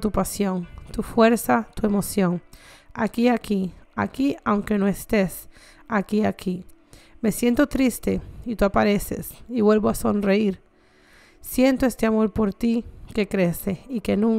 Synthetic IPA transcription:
t̪upasjo̞nt̪ufwe̞ɾsat̪ue̞mo̞sjo̞ŋa̰kiakia̰kiawŋke̞noest̪es | akiakʰime̞sje̞nt̪o̞t̪ɾist̪eit̪uapaɾesḛsiβwe̞lβoaso̞nreiɾ | sjent̪oest̪e̞amo̞ɾpo̞ɾt̪ike̞kɾe̞seike̞nũŋ

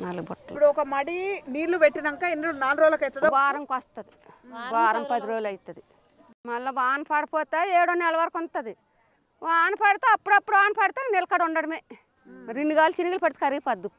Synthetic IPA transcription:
nalɡbɐʈːɐpːuɽuɔkɐmɐɽiniːluʋeʈːinɐŋkaːinːunaːlɾoːlɐkɐjt̪ɐd̪ʋaːɾɐmkaːst̪ːɐd̪iʋaːɾɐmpɐd̪iɾoːlɐjt̪ːɐd̪i | mɐlːɐʋaːnpaːɽɐpoːt̪aːeːɽonːɐlɐʋaːɾkont̪ːɐd̪i | ʋaːnɐpɐɽit̪aɐpːuɽɐpːuɽuaːnpaːɽt̪aːɡnelkaɽoɳɖɐɽɐmeː | ɾiɳɖuɡaːlt͡ʃiniɡɐlpɐɽit̪ːkɐɾiɡpɐd̪ːu

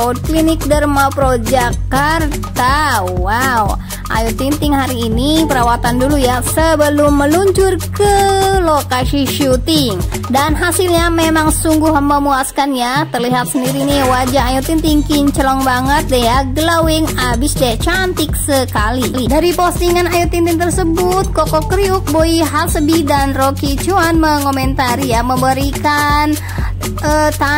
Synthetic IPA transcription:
oklinɪk̚dərmapɾod͡ʒakart̪aːaw | ʔa̰jut̪int̪ɪŋɦaɾiːnipəɾawat̪andulujasəbəlʊmːəluɲt͡ʃʊrkəlokasiʃut̪ɪŋ | danɦasilɲamemaŋsuŋɡuɦəmbəmuaskanjat̪ərliɦat̪̚səndiɾiniwad͡ʒaɦajut̪int̪iŋkiɲt͡ʃəlɔŋbaŋət̪̚dajaɡəlawɪŋabisd͡ʒɛt͡ʃant̪ɪk̚səkaliidaɾipost̪iŋanajut̪int̪int̪ərsəbʊt̪̚kokɔkɾiuk̚boiɦalsəbidanrokit͡ʃuanməŋomɛnt̪aɾijaməmbəɾikan | ʔət̪a

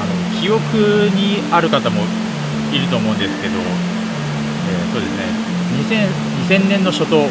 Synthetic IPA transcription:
ano̞kʲio̞kɯ̟ɲ̟iaɾɯ̟kat̪amo̞ | iɾɯ̟t̪o̞ːmo̞ɯ̃nd̪e̞sɨ̥ke̞d̪o̞ | eːso̞ːd̪e̞sɨne | ɲisẽ̞ɰ | ɲisẽ̞nːẽ̞nːoɕo̞t̪o̞

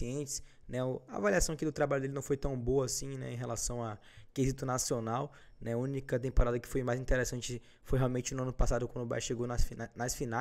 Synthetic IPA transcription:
iẽt͡ʃɪ̥s | nɛʊaa̰valiasɐ̃w̃akid̪ʊt̪ɾabalʎʊd̪elɪnɐ̃w̃fojt̪ɐ̃w̃boɐːsĩnɛ̰ẽɦelasɐ̃w̃a | kezit̪ʊnasionaw | nɛaũnikɐt̪̬ẽmpoɾad̪ɐkɪ̥fojmajzĩnt̪eɾesɐ̃nt͡ʃɪ | fojɦeawmẽnt͡ʃɪnʊɐ̃nʊpasad̪ʊkwɐ̃d̪ʊba̰jʃeɡonɐsfinnɐsfina

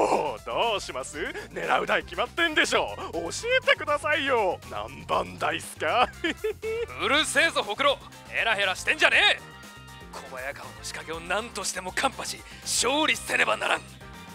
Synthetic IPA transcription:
oːd̪oːɕimasɨne̞ɾa̰ɯ̟d̪aikʲimat̪ːẽ̞nd̪e̞ɕ̬o̞ːoɕie̞t̪e̞kɯ̟d̪asaijonã̰mbãnd̪aisɨ̥ka | ɯ̟ɾɯ̟se̞ːzoɦo̞kɯ̟ɾo̞ | e̞ɾaɦe̞ɾaɕi̥t̪ẽ̞ɲ̟d͡ʑane̞ː | kʰo̞bajakaono̞ɕi̥kaɡe̞o̞nãnt̪o̞ɕi̥t̪e̞mo̞kʰãmpaɕi | ɕo̞ːɾʲisɨ̥se̞ɾe̞bana̰ɾã̰ŋ

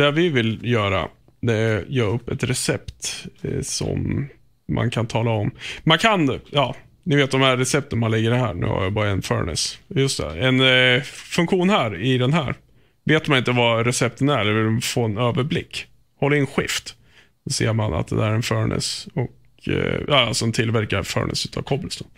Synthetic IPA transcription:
d̪ɛvɪvɪljœːɾa̰ | d̪ɛjɑːɵpːɛt̪ɾɛsɛpt̪sɔ̰mː | a̰nkʰant̪ʰɑːlaɔmmankʰanjɑː | nɪveːt̪̚d̪ɔmhæɾːɛsɛp̚t̪ənmanlɪɡːəɖɛɦæːɳʉ̟̰ːha̰ɾjabɑːɾaɛnfœ̰ːɳɪ̰sjɵst̪d̪ɛ̰ɛnfɵŋkɧuːnhæɾɪd̪ɛnɦæ̰ːɾ | veːt̪manɪnt̪əvaɾɛsɛp̚t̪ənæɾɛlːəɾvɪld̪foːɛnøːvəɾblɪkː | hɔlːɾɪnɧɪ̰ft̪ | dɔsḛːɾmana̰t̪̚d̪ɛ̰d̪æɾɛnfœːɳʔɪ̰sɔk | jɑːalsɔmt̪ʰɪlvæɾkaɾfœ̰ːɳʔɪ̰sʉ̟ːt̪ʰa̰vkʰɔblɪsd̪ə

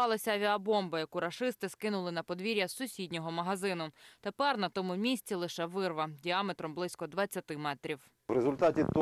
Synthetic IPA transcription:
ɑlˠɐsʲɐɐʋʲiɐbɔmbɐjɐkuɾɐʃɪst̪ɪskɪnʊlˠɪnɐpɔd̪ʋʲiɾʲjɐsʊsʲidʲnʲɔɦɔmɐɦɐzɪnʊt̪epɛrnɐt̪ɔmʊmʲisʲtt͡sʲilˠɪʃɛʋɪrʋɐdʲiamet̪ɾɔmblˠɪsʲkɔd̪ʋɐt͡sʲːɐt̪ɪmɛt̪ɾʲiw | wɾezʊlʲt̪atʲit̪

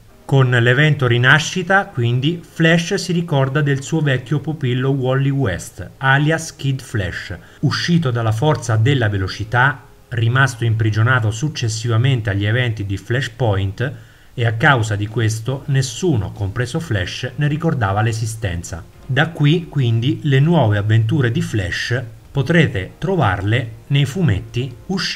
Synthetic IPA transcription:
konlevɛnt̪oɾinaʃːit̪akwind̪iflɛʃsiɾikɔrd̪ad̪elsuːovɛkːjopupilːowɔlːiwɛst̪aljaskid̪flɛ̰ʃ | uʃːiːt̪̬od̪alːaf̬ɔrt̪sad̪elːavelot͡ʃit̪a | rimast̪oimpɾid͡ʒonaːt̪osut͡ʃːesːivament̪eaʎːievɛnt̪id̪iflɛʃpɔjnt̪ | eakːawsad̪ikwes̬t̪onesːuːno̰kompɾeːzoflɛʃneɾikord̪aːvalesis̬t̪ɛ̰nt̪sa̰ | d̪akːwikːwind̪ilenwɔːveavːent̪̬uːɾed̪iflɛ̰ʃ | pot̪ɾeːt̪et̪ɾova̰rlenejfumet̪ːiuʃ

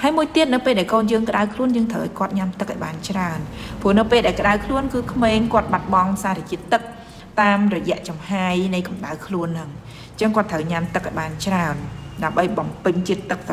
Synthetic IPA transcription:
haəjmuəjt̪iət̪̚nɨwpeːlɗaɛlkoːnjəːŋkə̆ɗawkʰluənjəːŋt̪ʰəwʔajkŏət̪̚ɲamt̪ɨkʔaɔjɓaːnt͡ɕraənpŭənɨwpeːlɗaɛlkə̆ɗawkʰluənkɨːkʰmeːŋkŏət̪̚ɓat̪̚ɓɑŋsaːɾet͡ɕiət̪ːɨk̚ | t̪aːmrɔjɛ̆əʔt͡ɕɑmhaːjnɨjkɑmɗaəwkʰluənːɨŋ | t͡ɕəŋkŏət̪ʰəwɲamt̪ɨk̚ʔaɔjɓaːnt͡ɕraənɗaəmɓəjɓɑmpɨɲt͡ɕiət̪ːɨk̚t̪

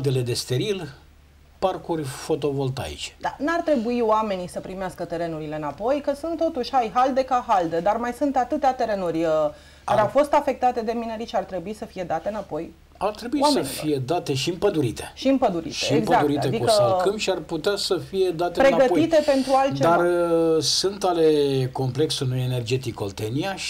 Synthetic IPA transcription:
ld̪e̞le̞d̪e̞st̪e̞ɾil | parkurʲfo̞t̪o̞vo̞lt̪a̰jḭt͡ʃe̥d̪̥a̰nuart̪ɾe̞buiowame̞nisəpɾimeaskət̪e̞ɾe̞nuɾile̞ɨnapo̞jkəsunt̪ːo̞t̪uʃʲhajɦald̪e̞kaɦald̪e̞d̪armajsunt̪at̪ɨt̪eat̪e̞ɾe̞nurʲə | kaɾeawfo̞st̪afe̞k̚t̪at̪e̞d̪e̞mineɾiʃeart̪ɾe̞buisəfije̞d̪at̪e̞ɨnapo̞j | art̪ɾebuiamseəefije̞d̪at̪e̞ʃiɨmpəd̪uɾit̪e̥ʃiɨmpəd̪uɾḭtʃeiːɡpəak̪uɾiat̪ekd̪ikəsəkəmʃiarput̪easəfije̞d̪at̪epɾe̞naɡəit̪e̞pe̞nt̪ɾualt͡ʃed̪arəsunt̪ale̞ko̞mple̞ksunuene̞rd͡ʒe̞t̪iko̰lt̪eniaʃ

